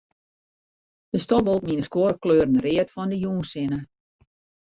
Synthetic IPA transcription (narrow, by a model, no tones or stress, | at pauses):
d̥əstɔvɔlˠtminəskoːɾəkløːrən̩rɪətfɔndəjuːnsɪnə